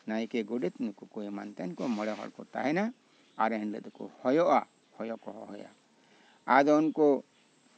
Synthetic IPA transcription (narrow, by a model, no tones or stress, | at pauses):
najkɛɡuɖɛt̪nukukɔɛma̰nt̪ɛnkɔmɔɽɛɦɔ̰lkɔ̰t̪a̰ɦɛna | aɾɛnlə̰t̪kɔ̰hɔjɔʔa | hɔjɔʔkɔɦɔ̰ɦɔ̰ja̰ | ad̪ɔnkɔ